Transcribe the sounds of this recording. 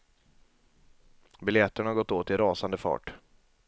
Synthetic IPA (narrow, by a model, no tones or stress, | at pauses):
bɪljɛt̪ːəɳahaɾɡɔt̪ːoːt̪ːɪɾɑːsand̪əfɑ̰ːʈ